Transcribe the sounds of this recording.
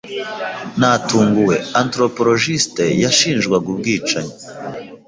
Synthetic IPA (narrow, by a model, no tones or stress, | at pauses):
natuːŋɡuwe̞antɾo̞po̞ɾo̞ʒistejaʃiːnʒɡwaɡub̚ɡiːt͡ʃaɲa